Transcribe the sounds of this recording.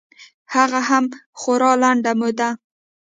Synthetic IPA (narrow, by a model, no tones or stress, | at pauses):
haɣaɦamxoɾɑlaɳɖamʊd̪a